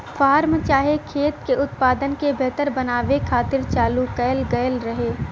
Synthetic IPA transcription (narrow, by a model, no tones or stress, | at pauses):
faːɾmt͡ʃaːɦekʰeːt̪keʊt̪paːd̪ənkebʱɛːt̪əɾbɐnaːʋekʰaːt̪ɪɾt͡ʃaːlukəəlɡɐjəlɾɐɦeː